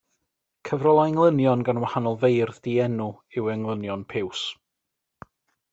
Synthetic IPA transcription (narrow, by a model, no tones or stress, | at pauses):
kʰəvrɔlˠaŋlˠənjɔnɡanwahanɔlˠvejrðdiɛnʊɪwɛŋlˠənjɔnpʰɪws